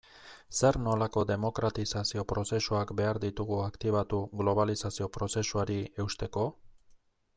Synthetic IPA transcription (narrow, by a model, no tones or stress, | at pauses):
se̞ɾno̞lako̞d̪e̞mo̞kɾat̪isasio̞pɾo̞se̞suakbe̞aɾd̪it̪uɣuakt̪iβ̞at̪uɣlo̞β̞alisasio̞pɾo̞se̞suaɾie̞wst̪e̞ko̞